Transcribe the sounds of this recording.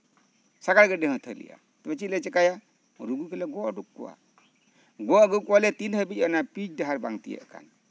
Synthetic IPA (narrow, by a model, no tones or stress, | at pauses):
saɡaɽɡɛɖɛɦə̃t̪ʰəlḭja̰ | t̪ɛbɛt͡ʃilɛt͡ʃɛkaja | ɾuɡukɛlɛɡɔʔɖukːɔ̰a̰ | ɡɔɡukːɔwalɛt̪inɦəbit͡ʃənapid͡ʒdaɦaɾbaŋt̪ijə̰ʔka̰n